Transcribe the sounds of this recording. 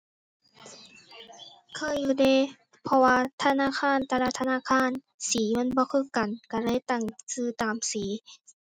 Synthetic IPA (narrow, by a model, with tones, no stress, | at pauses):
kʰɤː˧˨jːuː˧˩deː˧˨ | pʰɔ˧waː˧˨t̪ʰa˧naː˧˥˨kʰaː˧˥˨nt̪ʰa˧laː˧˨t̪ʰa˧naː˧˥˨kʰaː˧˥˨n | siː˨˦ma˧˥˨nbɔː˧˦kʰɤ˧˥˨ka˨nka˧˩la˧˥˨jt̪a˧˩˨ŋsɯː˧˩t̪aː˨˩msiː˨˦